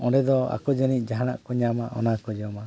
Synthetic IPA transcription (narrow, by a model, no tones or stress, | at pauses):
ɔɖɛd̪ɔa̰kɔd͡ʒənit̚ˀd͡ʒaɦaɽa̰ʔkɔɲamaʔɔ̰nakɔd͡ʒɔma